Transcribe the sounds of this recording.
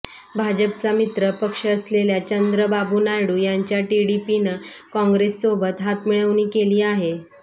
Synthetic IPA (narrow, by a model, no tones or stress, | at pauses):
bʱad͡ʑəpt͡samit̪ɾəpəkʂəːsleljat͡ɕənd̪ɾəbabuːnajɽujaɲt͡ɕjaʈiɽipinəkɔ̃ŋɡɾesːobət̪ɦat̪miɭəʋniːkeliːaɦe